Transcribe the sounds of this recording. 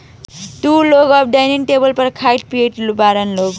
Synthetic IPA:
t̪uloɡʌp̚ʰɖajninʈebʌlpʌɾkʰajʈ̚pieʈlubaɾʌnloɡ

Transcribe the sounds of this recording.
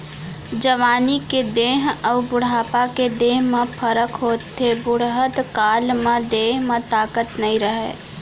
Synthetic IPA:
d͡ʒəʋaːniked̪eːɦəːbʊɽ̤aːpaked̪eːɦmẽpʰəɾəkɦoːt̪ʰːebʊɽɦət̪kaːlmẽd̪eːɦmẽt̪aːkət̪nɐɦĩɾəɦḛː

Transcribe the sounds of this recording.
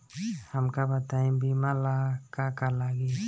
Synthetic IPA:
həmkabət̪aĩbimalakakalaɡi

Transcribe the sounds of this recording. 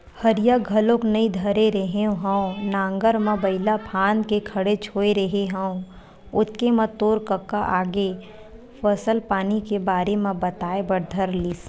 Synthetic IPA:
həɾɪjaɡʱəlõknɐĩd̪ʱəɾeɾəɦẽɦə̃õnãːŋɡəɾmẽbɐɪlapʰaːnkekʰɐɽet͡ʃʰoːeɾəɦeɦə̃õ | ʊt̪̚kemɐ̃t̪oːɾkəkːaʔaːɡe | fɐsəlpaːnikebaːɾemẽbɐt̪aːebɐɽd̪ʱəɾliːs

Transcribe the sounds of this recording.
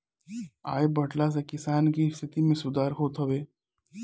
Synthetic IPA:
a̰ːjebɐʈlas̬ekɪsaːnkist̪ʰɪt̪imẽsʊd̪aːɾɦoːt̪ɦɐʋeː

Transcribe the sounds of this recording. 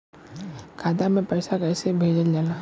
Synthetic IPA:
kʰaːd̪amẽpɛːɪsakɛːsebʱeːd͡ʒəld͡ʒaːlaː

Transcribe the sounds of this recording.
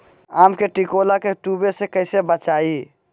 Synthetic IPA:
amkeʈikolakeʈubesekəɪsebət͡ʃai

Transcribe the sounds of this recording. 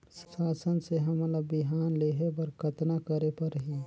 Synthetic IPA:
saːsənseɦɐmlabɪɦaːnleːɦepɐɾkɐt̪nakɐɾepɐɾɦiː

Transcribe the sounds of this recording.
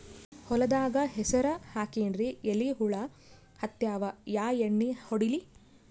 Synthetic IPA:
hɔlɐd̪aːɡɐɦɛsɐɾɐhaːkiːɳɾieliɦuɭɐ | hɐt̪jaːʋɐjaːjeɳːihoɽili

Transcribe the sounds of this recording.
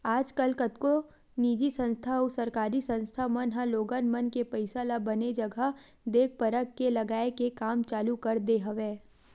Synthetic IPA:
aːd͡ʒkɐlkət̪ko | niːd͡ʒisə̃nst̪ʰaɔsɐɾkaːɾisə̃nst̪ʰamɐnɦãloːɡanmɐnkepɐɪsalabɐned͡ʒɐɡə | d̪eːk̚pɐɾəkːelɐɡaːekekaːmt͡ʃaːlukɐɾd̪eɦɐʋeː

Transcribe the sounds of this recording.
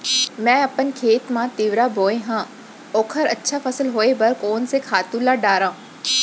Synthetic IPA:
mɛ̃ːɐpənkʰeːt̪mãt̪iʋɾaboːẽɦãː | oːkʰəɾɐtːʃʰafʰəsəlɦoːebɐɾkoːnsekʰaːt̪ũlaɖaːɾãː

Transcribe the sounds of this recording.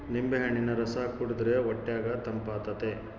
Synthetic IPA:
nimbeɦɐɳinɐɾɐsaːkuɽud̪ɾeɔʈːjaːɡɐt̪ɐmpaːt̪ɐt̪e

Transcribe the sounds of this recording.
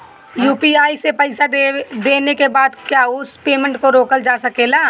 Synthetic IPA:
juːpiaːisepɐɪsaed̪eːnekebaːd̪kjaːʊspeːmə̃ɳʈkoɾoːkəld͡ʒaːsɐkeːlaː

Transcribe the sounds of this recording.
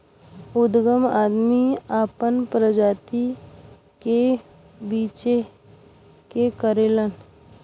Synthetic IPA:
ʊd̪ɡəmaːd̪miaːpənpɾəd͡ʒaːt̪i | ke | biːt͡ʃe | kekəɾeːlən

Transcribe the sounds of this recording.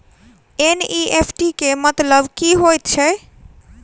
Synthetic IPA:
eniʔepʰʈikemʌt̪ləbkiɦojt͡ɕʰe

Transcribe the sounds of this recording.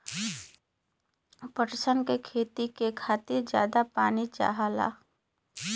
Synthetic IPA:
pəʈsənkekʰeːt̪ikekʰaːt̪iɾd͡ʒja̰ːd̪apaːnit͡ʃa̰ːɦala̰ː

